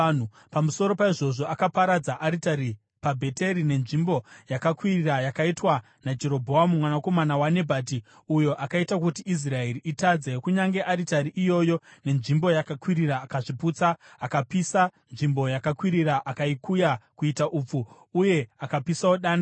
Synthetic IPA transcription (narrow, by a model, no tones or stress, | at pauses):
n̤u | pamuso̞ɾo̞paiʐo̞ʐo̞akapaɾad͡zaʔaɾitaɾi | pabʱe̞te̞ɾine̞nʐimbo̞jakakwirirajakaitwa | nad͡ʒe̞ɾo̞bʱo̞amumwanako̞manawane̞bʱaːti | ujo̞ʔakaitak̬utiis̬rae̞riʔitad͡ze̞kuɲaŋɡe̞ʔaɾitaɾiʔijo̞jo̞ne̞nʐimbo̞jakakwiɾiraːkaʐiput͡saːkapisanʐimbo̞jakakwiɾiɾaʔakaikujakuitaʔup͡fuː | je̞akapisaoɗaːna